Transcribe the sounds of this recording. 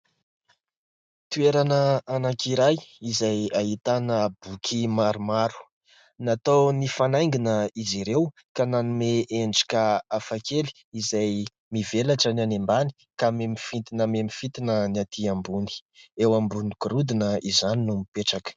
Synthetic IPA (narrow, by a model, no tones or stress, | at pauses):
t̪ueɾanəanakiɾajizajaɦit̪anəb̥ukʰimaɾumaɾu̥ | nat̪ownifanajŋɡinəiziɾew | kananumeʔeɳɖ͡ʐi̥kaafakeli̥ | izaj | mivelaʈ͡ʂənanembani̥ | kamemifit̪inəmemifit̪inənat̪ʰiambuni̥ewambuniɡɾud̪inəizaninumipeʈ͡ʂakə̥